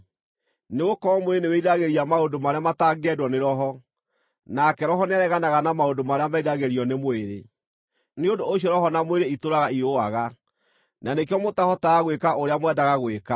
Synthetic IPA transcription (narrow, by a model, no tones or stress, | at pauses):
neɣokɔɔmoeneweiɾaɣeɾiamaodomaɾeamataːɡɛdwɔneɾɔɦɔ | nakɛɾɔɦɔneaɾɛɣanaɣanamaodomaɾeamaiɾaɣeɾiɔnemoeɾe | neondoːɕiɔɾɔɦɔnamoeɾeitoɾaɣaiɾoaɣa | nʔanekeɔmotahɔtaːɣwekaʔoɾeamwɛdaɣaɣweka